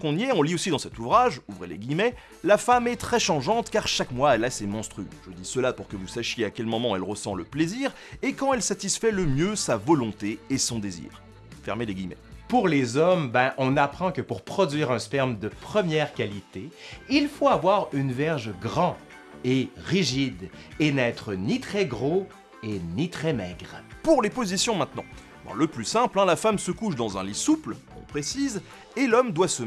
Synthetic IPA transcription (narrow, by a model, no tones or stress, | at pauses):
kɔ̃njɛɔ̃liosid̪ɑ̃sɛt̪uvʁaʒuvʁelḛɡʲimɛ | lafamɛt̪χɛʃɑ̃ʒɑ̃t̪kaʁʃakmwaɛlasemɔ̃st̪χyʒ̥əd̪isəlapuʁkəvusaʃjeakʲɛlmɔmɑ̃ɛlʁəsɑ̃ləpleziːʁ | ekɑ̃ɛlsat̪isfɛləmjøsavɔlɔ̃t̪eesɔ̃d̪ezḭːʁ | fɛʁmeleɡʲimɛ̰puʁlezɔmbɛ̃ʔɔ̃napχɑ̃kəpuʁpχɔd̪ɥiːʁɛ̃spɛʁmd̪əpχəmjɛːʁkʲalit̪eilfoavwaʁynvɛʁʒɡʁɑ̃ | eʁiʒid̪enɛːt̪χənit̪χɛɡʁo | enit̪χɛmɛːɡʁpuʁlepozisjɔ̃mɛ̃t̪nɑ̰̃ | ɑ̰̃ləplysɛ̃plɛ̃lafamsəkuʃd̪ɑ̃zɛ̃lisupl | ɔ̰̃pχesiz | elɔmd̪wasə